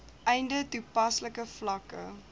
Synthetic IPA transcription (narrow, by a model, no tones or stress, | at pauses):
ʔɛjndətupɐsləkəflɐkə̰